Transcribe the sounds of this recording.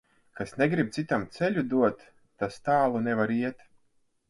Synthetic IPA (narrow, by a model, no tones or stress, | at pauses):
kasneɡɾip̚t̪sit̪amt̪sɛlʲud̪uɔt̪ː | ast̪aːlˠunɛvaɾiɛt̪